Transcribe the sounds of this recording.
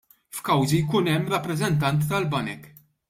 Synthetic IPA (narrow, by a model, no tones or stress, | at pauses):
fkɐwzijkuːnɛmːɾɐpːɾɛzɛnt̪ɐnt̪ːɐlbɐnɛk